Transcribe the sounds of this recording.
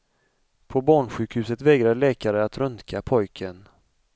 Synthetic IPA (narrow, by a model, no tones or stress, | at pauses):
pʰɔbɑːɳɧʉ̟ːkhʉ̟ːsət̪vɛːɡɾaɭɛːkaɾəat̪ɾɵnt̪kʰapʰɔjkʰən